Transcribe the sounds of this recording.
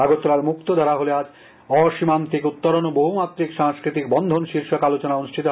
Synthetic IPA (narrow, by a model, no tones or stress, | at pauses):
aɡot̪ːoɾaɾmukt̪od̪ʱaɾaɦolead͡ʑ | ɔʃimant̪ikut̪ːoɾonoboɦumat̪ːɾikʃaŋskɾit̪ik̚bɔnd̪ʱonʃiɾʃokalot͡ɕonaonuʃʈʰit̪o